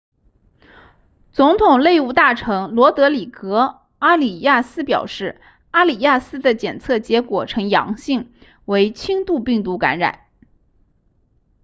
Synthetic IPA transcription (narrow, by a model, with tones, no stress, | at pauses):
t͡sʊ˧˥ŋt̪ʰʊ˨˩ŋle˥˧ɪu˥˧t̪a˥˩ʈ͡ʂʰɤ˧˥ŋlwɔ˧˥t̪ɤ˧˥li˨˩kɤ˧˥ | a˥li˨˩ja˥˩sɹ̩˥pjɑ˨˩ʊʂɻ̩˥˩ | a˥li˨˩ja˥˩sɹ̩˥d̪ə˨t͡ɕjɛ˨˩nt͡sʰɤ˥˩t͡ɕjɛ˧˥kwɔ˨˩ʈ͡ʂʰɤ˧˥ŋjɑ̰˧˥ŋɕi˥˩ŋ | we˧˥ɪt͡ɕʰi˥ŋt̪u˥˧pi˥˩ŋt̪̬u˧˥ka̰˧˥nɻa̰˨˩˦n